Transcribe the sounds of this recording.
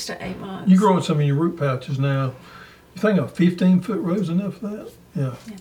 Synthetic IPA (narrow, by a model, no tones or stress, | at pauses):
stəʔḛɪbjɨɡɹoʊʌ̃nsʌ̃mʌvjə˞ɹʉt̚pʰæt͡ʃɨznaʊ | jɨθɪ̃ŋkəfɪftĩnfʊʔ̚ɹoʊzɨnʌfəðæt̚ | jæ